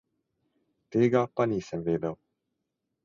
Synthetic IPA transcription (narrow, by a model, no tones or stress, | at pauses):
t̪eːɡapanʲiːsɛmveːd̪ɛw